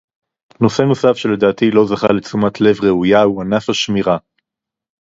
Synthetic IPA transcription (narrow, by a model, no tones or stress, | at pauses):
no̞se̞no̞safʃe̞le̞d̪aːt̪ilo̞zaχalet͡sumatʰle̞vʁe̞ujauanafaʃmiʁa